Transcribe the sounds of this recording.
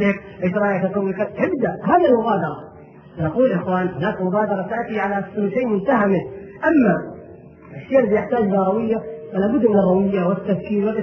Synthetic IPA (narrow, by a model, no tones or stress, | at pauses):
ɪk | ʔɪʃɾˤɑːjat̪at̪awːɪkat̪ʕɪbd̪aʔhaːðilmʊɣaːd̪ɑɾˤɑ | naquːlʔɪxwaːnhʊnaːkmʊɣaːd̪ɑɾˤɑt̪aʕt̪iʕalaʔslʃaːmʊnt̪aɦamɪʔamːa | ʔaʃːeːɾbɪjɪħt̪aːd͡ʒd̪ɑɾˤɑwɪjːafalaːbʊd̪ːmɪnɑrˤːɑwɪjːawɪt̪ːafkiːlwɪlʔɪ